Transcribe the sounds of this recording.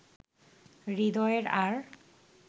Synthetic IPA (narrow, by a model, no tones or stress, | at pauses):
ɾid̪ɔeɾaɾ